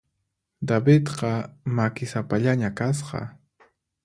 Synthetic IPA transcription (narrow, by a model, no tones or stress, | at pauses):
d̪abɪt̪qɑmakɪsapaʎaɲakas̬qɑ̰